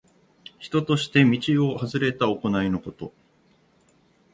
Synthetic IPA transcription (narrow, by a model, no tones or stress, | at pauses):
çi̥t̪o̞t̪o̞ɕi̥t̪e̞mʲit͡ɕio̞hazɨɾe̞t̪aoko̞naino̞ko̞t̪o̞